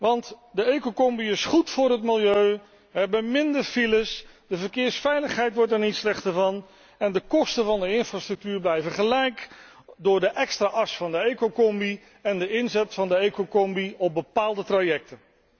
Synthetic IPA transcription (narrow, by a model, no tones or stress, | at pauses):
ʋɑntdəejkokɔmbiɪsχutfʊːɾɦətmɪlˠjøɥ | ʋəɦɛbəmɪndəɹfiləs | dəvəɹkɪːɹsfɛjləχɦɛjtʋɔɹtɛɹnitslɛχtəɹvɑn | ɛndəkɔstənvɑndəɪnfrastrɵk̚tyːɹblɛjvəχəlɛjk | dʊːɹdəʔɛkstraːʔɑsfɑndəejkokɔmbi | ɛndəɪnzɛtfɑndəejkokɔmbiɔp̚bəpaːlˠdətrajɛk̚tən